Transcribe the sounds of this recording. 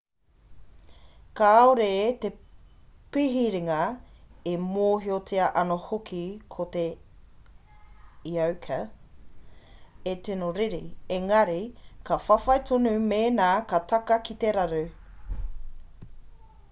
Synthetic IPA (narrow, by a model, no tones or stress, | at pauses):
kaːoɾet̪e | piɦiɾiŋɐemoːɦiot͡sʰiɐʔɐnohokʰikʰot̪e | iɐwkʰɐ | etenoɾiɾieŋɐɾikɐfɐfɐjt̪ʰonʉmeːnaːkɐt̪ɐkɐkit̪eɾɐɾʉ